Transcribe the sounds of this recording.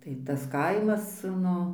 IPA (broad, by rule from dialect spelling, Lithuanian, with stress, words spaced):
tɐɪ tɐs ˈkɐɪmɐs ˈnʊ